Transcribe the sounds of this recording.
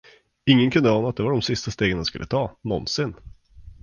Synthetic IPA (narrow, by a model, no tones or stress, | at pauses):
ɪŋːənkʰɵnd̪əɑːnaːt̪̚d̪ɛvaɖɔmsɪst̪ast̪eːɡəndanskɵlːət̪ʰɑːnɔnsɪn